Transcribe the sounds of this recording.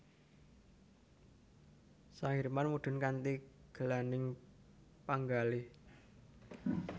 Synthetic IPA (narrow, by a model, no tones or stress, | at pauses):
sahiɾmanmuɖ̪̥ʊ̤nkant̪iɡ̥ə̤lanɪŋ | paŋɡalɪ